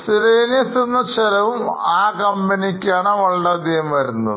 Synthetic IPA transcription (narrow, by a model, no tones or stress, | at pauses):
siɾeːnɐt̪ːenːɐt͡ɕelɐʋumaːkɐmbɐnikʲːaːɳɨʋɐɭɖad̪ijɐmɐɾunːɐð